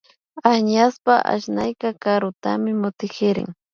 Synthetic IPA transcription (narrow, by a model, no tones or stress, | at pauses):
aɲaspaʔa̰ʃnajkakaɾʊt̪amɪmʊt̪ɪkɪɾɪ̰ŋ